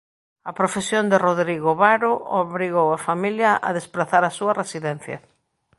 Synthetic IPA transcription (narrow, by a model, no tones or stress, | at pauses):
ɐpɾofesjond̪ɪroðɾiɣoβaɾooβɾiɣowɐfamiljɐʔɐ̰ðespɾaθaɾɐsuɐresiðɛnθjɐ̰